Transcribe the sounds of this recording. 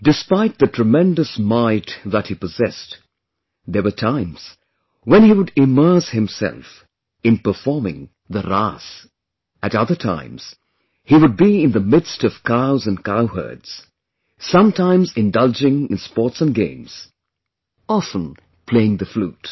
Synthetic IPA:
dɨspaɪt̪̚ðɨtʰɹ̥ɨmɛ̃ndɨsmaɪtðət̚hipɨzɛst | ðə˞wə˞tʰãɪ̃mz̥ | wə̃niwʊɾɪmɜ˞shɨ̃msɛ̰lˠf | ɨ̃npə˞fɔɹmɪ̰̃ŋ | ðəɹas | ɨɾʌðə˞tʰã̰ɪ̃mz̥ | hiwʊd̚biɪ̃nðəmɪdstʌv̥kʰaʊzɨ̃nkaʊɦə̰˞dz̥ | sʌ̃mtʰãɪ̃mzɪ̃ndʌlˠd͡ʒɪ̃ŋɨ̃nspɔɹtsə̃nɡḛ̃ɪ̃mz̥ | ɑfə̃n | pʰl̥eɪɪ̃ŋðɨflṵt

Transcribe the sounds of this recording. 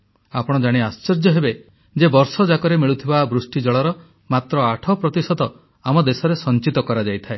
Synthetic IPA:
apɔɽ̃ɔd͡ʒaɽ̃iast͡ʃɔɾd͡ʒɔɦebe | d͡ʒebɔɾsɔd͡ʒakɔɾemiɭut̪ʰibabɾusʈid͡ʒɔɭɔɾɔ | mat̪ɾɔaʈʰɔpɾɔt̪isɔd̪ɔ | amɔd̪esɔɾesɔnt͡ʃit̪ɔkɔɾad͡ʒajt̪ʰae

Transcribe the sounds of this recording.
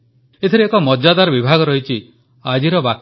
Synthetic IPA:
et̪ʰiɾeekɔmɔd͡ʒad̪aɾɔbibʱaɡɔɾɔɦit͡ʃʰi | ad͡ʒiɾɔbak

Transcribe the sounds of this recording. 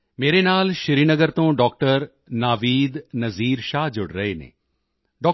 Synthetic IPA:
meːɾenaːlʃɪɾiːnəɡəɾt̪õːɖɔːk̚ʈəɾ | naːʋiːd̪nɐziːɾʃaːɦd͡ʒʊɽɾɐɦenḛ̃ː | ɖɔː

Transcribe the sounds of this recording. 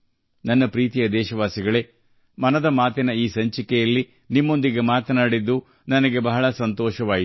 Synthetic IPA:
nɐnːɐpɾiːt̪ijɐd̪ɛːʃɐʋaːsiɡɐɭe̞ | mɐnɐd̪ɐmaːt̪inɐiːsɐɲt͡ʃikɛjɐlːi | nimːo̞nd̪iɡe̞maːt̪ɐnaːɽid̪ːu | nɐnɐɡe̞bɐɦɐɭɐsɐnt̪ɔːʃɐʋaːɡit̪

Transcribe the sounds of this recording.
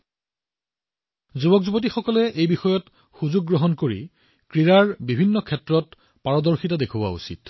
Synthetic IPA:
zubɔkzubot̬ixɔkɔlɛʔejbixɔjɔt | xuzuɡ̚ːɹɔɦɔnkoɹḭ | kɹiɹaɹbibʱinːɔkʰɛtɹɔt | paɹɔdɔɹxitadekʰuba̰ṵsḭt

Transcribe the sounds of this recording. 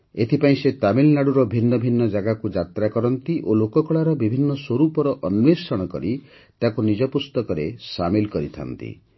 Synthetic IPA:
et̪ʰipaĩset̪amilnaɽuɾɔbʱinːɔbʱinːɔd͡ʒaɡakud͡ʒat̪ɾakɔɾɔnt̪iʔolokɔkɔɭaɾɔbibʱinːɔswoɾupɔɾɔʔɔnwesɔɽ̃ɔkɔɾi | t̪akunid͡ʒɔpust̪ɔkɔɾesamilkɔɾit̪ʰa̰nt̪ḭ

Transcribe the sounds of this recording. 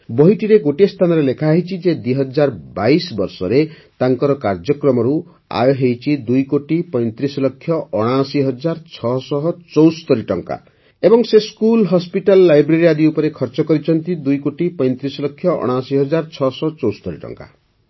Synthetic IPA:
bɔɦiʈiɾeɡoʈest̪ʰanɔɾelekʰaɦit͡ʃʰid͡ʒed̪wiɦɔd͡ʒaɾbajsbɔɾsɔɾe | t̪aŋkɔɾɔkaɾd͡ʒɔkɾɔmɔɾu | a̰jɔɦejt͡ʃʰid̪ujkoʈipɔj̃nt̪ɾisɔlɔkʰːjɔʔɔɽ̃asiɦɔd͡ʒaɾt͡ʃʰɔsɔɦɔt͡ʃɔwst̪ɔɾiʈɔŋka̰ | ebɔŋseskulɦɔspiʈalːajbɾeɾiad̪iupɔɾekʰɔɾt͡ʃɔkɔɾit͡ʃʰɔnt̪id̪ujkoʈipɔjnt̪ɾisɔlɔkʰːjɔʔɔ̰ɽ̃asiɦɔd͡ʒaɾt͡ʃʰɔsɔt͡ʃɔwst̪ɔɾiʈɔ̰ŋka̰

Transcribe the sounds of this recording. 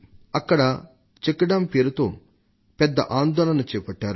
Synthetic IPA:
ɐkːɐɽɐ | t͡ʃekːɐɽɐmpeːɾut̪o̞ː | pɛd̪ːɐ̰ʔaːnd̪ɔːɭɐnɐt͡ʃɛːpɐʈːaːɾu

